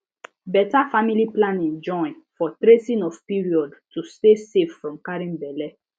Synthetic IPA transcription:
bɛtafamiliplãnĩŋd͡ʒɔ̃ɪ̃n | fɔtɾesĩnɔfpiɹiɔdtusteseffɹɔ̃mkaɹĩnbɛlɛ

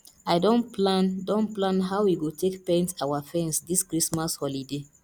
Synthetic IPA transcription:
aɪdõnpʰlãndõnplãnɦawwiɡotʰekpɛ̃ntawafɛ̃nsdiskɹismashɔlide

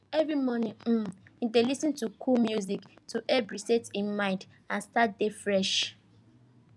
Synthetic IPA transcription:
ɛvɹimɔnĩm̩idelisə̃ntukʰulmjuziktʰuʔɛbɹisetĩnmãɪ̃nd | ãnstat̚defɹɛʃ

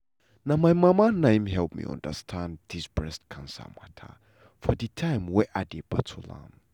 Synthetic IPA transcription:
namajmamanãjmɦɛlˠp̚mḭɔ̰̃ndə̰stʰãndisbɹɛstkʰãnsa̰matʰa̰ | fɔditʰãjmwɛʔadeba̰tʰulã̰m

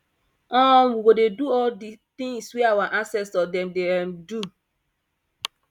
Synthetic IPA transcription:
ãnwiɡodeduɔldit̪ĩŋswɛawaʔãnsɛstɔdɛ̃mdeɛ̃mdu

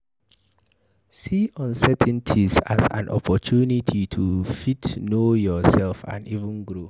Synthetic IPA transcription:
siɔ̃nsɛtʰə̃ntʰiza̰zã̰nʔɔ̰pʰɔtʰunitʰitʰufitnojɔsɛlfã̰nivə̃nɡɹo

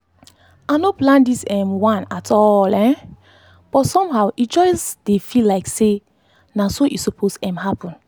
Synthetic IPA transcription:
anoplãndisɛ̃mwãnatʰɔlɛ̃ | b̥ɔtsɔ̃mɦaʊʔit̚d͡ʒɔɪsd̥efilːaɪkse | nasoʔisopʰosɛ̃mhapɔ̃n

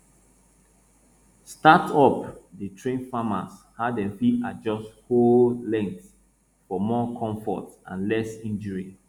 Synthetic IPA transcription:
statɔpdətʰɹẽnfama̰shadɛ̃mfiad͡ʒɔsthollɛ̃ŋk̚t | fɔmɔkʰɔ̃ɱfɔ̰tã̰nlɛsĩnd͡ʒəɹi

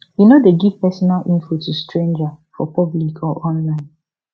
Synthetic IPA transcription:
junodeɡivpɛsɔnalʔĩɱfutʰustɹẽnd͡ʒafɔpɔblikʰɔʔɔ̃nlãɪ̃n

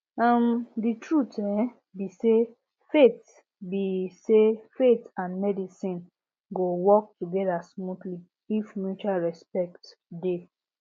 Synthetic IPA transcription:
ãmditʰɹutɛ | bise | fet | bisefetãnmɛdisĩn | ɡowɔk̚tuɡɛdasmutli | ifmjut͡ʃalɹɛspɛk̚tde

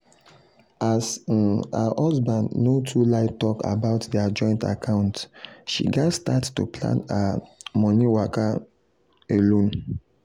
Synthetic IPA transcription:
asa̰hɔzbãndnotʰulaɪtɔka̰baʊtdiad͡ʒɔ̃ɪ̃nta̰kʰãʊ̃ntʃḭɡastattṵpʰlã̰namɔniwaka | elõn

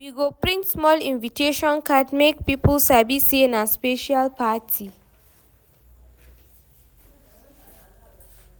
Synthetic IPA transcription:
wiɡopɹĩntsmɔlĩnvitʰeʃɔ̃nkadmek̚pipəlsabisenãspeʃalpatʰi

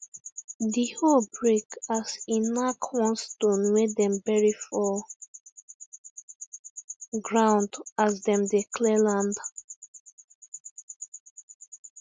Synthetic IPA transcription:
dihobɹekasĩnakʰwɔ̃nstõnwedɛ̃mbɛɹifɔ | ɡɹãw̃ndazdɛ̃mdekʰlɛlãnd

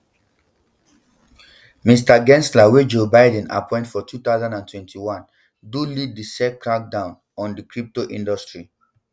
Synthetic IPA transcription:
mis̬taɡɛ̃nslawed͡ʒobaɪdɛ̃na̰pʰɔ̃ɪ̃ntfɔtʰut̪aʊzãndãntwɛ̃ntʰiwãn | dulid̚ːisɛkɹak̚dãʊ̃n | ɔ̃ndikɹip̚toʔĩndɔstɹi

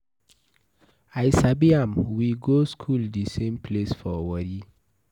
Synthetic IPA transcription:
ajsabiãmwiɡoskʰuldisẽmpʰlesfɔwɔɾi

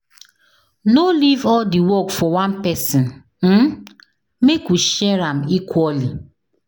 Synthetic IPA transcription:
nolivɔldiwɔkfɔwãnpɛsĩn | m̩ | mekwiʃɛɾãmikʰwɔli

